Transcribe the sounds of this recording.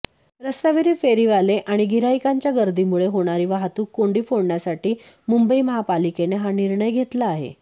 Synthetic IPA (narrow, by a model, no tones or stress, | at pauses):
ɾəst̪aʋeɾiːfeɾiːʋaleʔaɽ̃iɡʱiɾajkaɲt͡ɕjaɡəɾd̪ʱiːmuɭeɦoɽ̃aɾiːʋaɦt̪uːkːoɳɖiːfoɽɳjasaʈiː | mumbəiməɦapalikeneɦaniɾɳəjɡʱet̪laːɦḛ